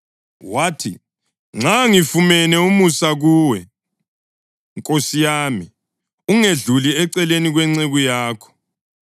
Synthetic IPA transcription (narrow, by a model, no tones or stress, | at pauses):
waːtʰḭ | ŋ͡ǁʱaŋifumɛnɛumusaɣuwɛ | ŋkʼosijaːmi | uŋeɮuliɛǀɛleniɣwɛŋ͡ǀeɣujaːkʰɔ̥